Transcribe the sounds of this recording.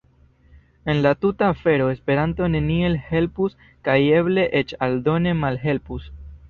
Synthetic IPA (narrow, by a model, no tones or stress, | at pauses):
e̞nlatutaːfe̞ɾo̞e̞spe̞ɾanto̞ne̞nie̞lhe̞lpus | kaje̞ble̞ʔet͡ʃaldo̞ne̞malɦe̞lpus